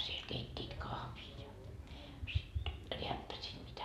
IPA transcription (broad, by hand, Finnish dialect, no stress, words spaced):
siel keitʲːit kɑhʋiː jɑ sit reæpːæsiːt mitæ